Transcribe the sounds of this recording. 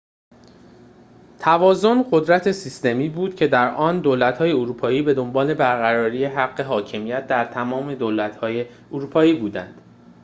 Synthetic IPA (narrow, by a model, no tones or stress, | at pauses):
t̪ʰævɒːzo̞nɢo̞d̪ɾæt̪ʰe̞sist̪e̞miːbuːd̪̥cʰe̞d̪æɾʔɒːnd̪oːlæt̪hɒːje̞oɾuːpʰɒːiːbe̞d̪o̞mbɒːle̞bæɾɣæɾɒːɾiːje̞ɦæɢːe̞ɦɒːcʰe̞mijæt̪̚d̪æɾt̪ʰæmɒːme̞d̪oːlæt̪hɒːje̞ | oɾuːpʰɒːiːbuːd̪ænd̪̥